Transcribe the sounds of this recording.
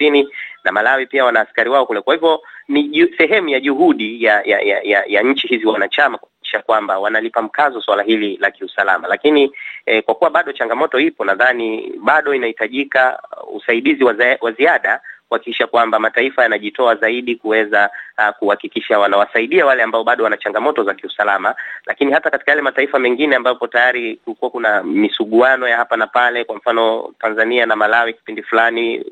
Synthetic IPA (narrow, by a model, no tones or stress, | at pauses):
ininamalawipiawanaːskaɾiwaɔkulɛkwahivɔniusɛɦɛmujaʄuɦuɗijaja̰ja̰jaja̰ɲ̩t͡ʃihiziwanat͡ʃamakuhaiki̥ʃakwambawanalipam̩kazɔswalaɦililakiusala̰malakinikwakuwaɓaɗɔt͡ʃaŋɡamɔtɔipɔnaðaniɓaɗɔinahitaʄikaṵsaiɗiziwawaziaɗakuhakikiʃakwambamataifajanaʄitɔazaiɗikuwɛzakuhakikiʃawanawasaiɗiawalɛambaɔɓaɗɔwanat͡ʃaŋɡamɔtɔzakiusalamalʔa̰kinihatakati̥kajalɛmataifamɛŋɡinɛambapɔtajaɾikulikuwakunamisuɠuanɔjahapanapalɛkwam̩fanɔtanzanianamalawiki̥pindifulani